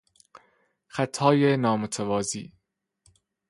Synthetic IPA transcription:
xæt̪ʰɒːjenɒːmot̪ʰævɒːzḭː

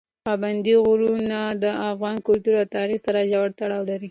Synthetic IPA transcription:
pɑband̪iɣʊɾunad̪əafɣɑnkʊlt̪uɾawt̪ɑɾixsaɾaʒawaɽt̪aɽɑwlaɾi

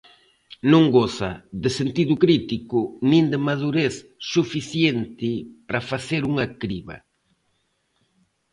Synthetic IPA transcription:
nõŋɡosɐ̰ðɪsent̪iðʊkɾit̪ikʊnĩnd̪ɪmaðuɾeθsufiθjent̪ɪpɾafaθeɾuŋɐkɾiβɐ̰

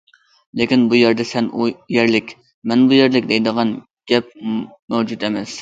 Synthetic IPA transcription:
lɪkʲinbujɛɾd̪ɛsɛnʔujɛɾlɪkʲ | mɛnbujɛɾlɪk̚ʲd̪ɛjd̪əʁɑn | ɡ̥ʲɛp̚mɛwd͡ʒut̪emɛs

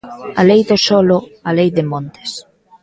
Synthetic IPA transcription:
alejðosɔloalejðɪmõnt̪e̥s

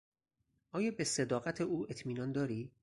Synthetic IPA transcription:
ʔɒːjɒːbese̞d̪ɒːɣæt̪ʰeʔuːe̞t̪ʰmiːnɒːnd̪ɒːɾiː

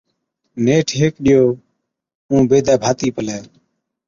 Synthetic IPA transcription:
neːʈʰɦeːkɗɪjoː | ũːbeːd̪ɛːbʱaːt̪iːpəlɛː

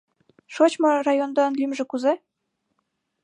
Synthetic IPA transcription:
ʃot͡ɕmɤrɑjond̪ɑnlimʒĕkuze

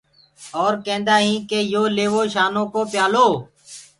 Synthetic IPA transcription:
ɔːɾkẽːnd̪aːɦĩːkeːjoːleːʋoːʃaːnõːkoːpjaːloː

